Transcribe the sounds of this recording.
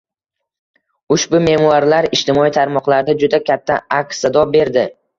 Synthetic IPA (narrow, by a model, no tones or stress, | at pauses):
ʊʃbʊme̞maɾlaɾɪʃt̪ʰɪmɒit̪ʰaɾmɒqlaɾd̪ad͡ʒʊd̪akʲʰat̪ʰːaaksad̪ɒbe̞ɾd̪ɪ